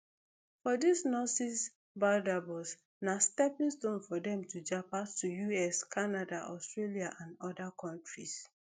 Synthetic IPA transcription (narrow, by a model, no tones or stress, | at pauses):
fɔdisnɔsis | badabɔs | nastɛpĩnstõnfɔdɛ̃mtʰud͡ʒapastujuɛskʰanadaʔɔstɹeliaʔãnɔdakʰɔ̃ntɹis